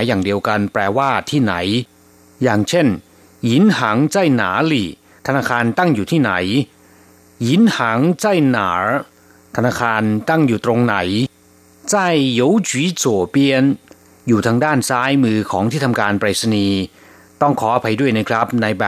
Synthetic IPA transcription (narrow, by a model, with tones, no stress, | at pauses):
a˩˦jaː˨˩ŋdi˧əwka˧npɾɛː˧waː˥˩t̪ʰiː˥˩na˩˦j | jaː˨˩ŋt͡ɕʰe˥˩n | ji˨˦˥nhaː˩˦ŋt͡ɕaː˥˩jnaː˩˦liː˨˩ | t̪ʰa˧naː˧kʰaː˧nt̪a˥˩ŋjuː˨˩t̪ʰiː˥˩na˩˦j | ji˨˦˥nhaː˩˦ŋt͡ɕa˥˩jnaː˩˦ɾ | t̪ʰa˧naː˧kʰaː˧nt̪a˥˩ŋjuː˨˩t̪ɾo˧ŋna˩˦j | t͡ɕa˥˩jːo˨˦˥wt͡ɕʰwi˦˥su˨˩pi˧ən | juː˨˩t̪ʰaː˧ŋdaː˥˩nsaː˦˥jmɯː˧kʰɔː˩˦ŋt̪ʰiː˥˩t̪ʰa˧mkaː˧npɾaː˨˩sa˧niː˧ | t̪ɔ˥˩ŋkʰɔː˩˦aː˧˩pʰa˧jdu˥˩əjna˦˥kʰɾa˦˥p̚na˧jbɛː˨˩